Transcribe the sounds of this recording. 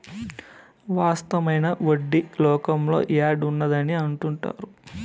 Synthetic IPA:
ʋaːst̪ɐmɐjnɐʋoɖːilɔːkɐmlo̞̰ːʔaːɖunːɐd̪ɐniɐɳʈuɳʈa̰ːɾu

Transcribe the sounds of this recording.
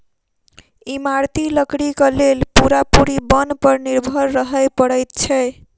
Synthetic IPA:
imaɾt̪iləkɽikəlelpuɾapuɾibənpəɾniɾbʱəɾːəɦəjpəɽəjt̪̚t͡ʃʰɛ

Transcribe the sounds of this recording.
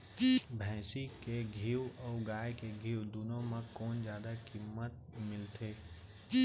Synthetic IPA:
bʱɛ̃ːsikeɡʱiːwɔːɡaːjkeɡʱiːwd̪uːnõmẽkɔːnd͡ʒjaːd̪akimət̪̚mɪlt̪ʰeː

